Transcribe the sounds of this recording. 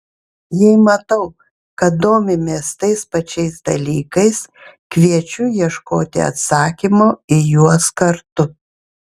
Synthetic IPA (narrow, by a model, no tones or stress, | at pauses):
jɛɪmɐt̪ɐʊ | kɐt̪̚d̪oːmʲɪmʲeːst̪ɐɪspɐt͡ʃʲɛɪsd̪ɐlʲiːkɐɪskʋʲiɛt͡ʃʲʊjiɛʃkoːt̪ʲɪ̰ɐ̰t̪sɑːkʲimoːɪjuɔskɐɾt̪ʊ